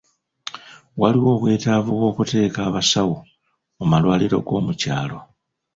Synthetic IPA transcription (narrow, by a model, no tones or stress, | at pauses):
waliwo̞ːβwe̞ːtavuβwo̞ːkute̞ːkaːβasawu | omalwaːliɾo̞̰ɡo̞ːmuca̰ːlo